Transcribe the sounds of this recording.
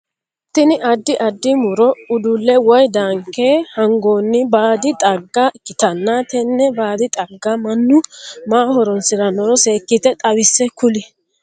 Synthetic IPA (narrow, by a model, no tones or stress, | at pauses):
t̪ːɪnɪʔɐd̪ːɪʔɐd̪ːɪmʊɾɔʊd̪ʊlːɛwɔjd̪aːŋkːeːhɐŋɡo̞ːnːɪbaːd̪ɪt̪ʼɐɡːɐkɪt̪ɐnːaːt̪ɛnːɛbaːd̪ɪt̪ʼɐɡːɐmɐnːʊmaːhɔɾɔnsɪɾɐnɔɾɔse̞ːkːɪt̪ɛt̪ʼɐwɪsːɛkʊlɪ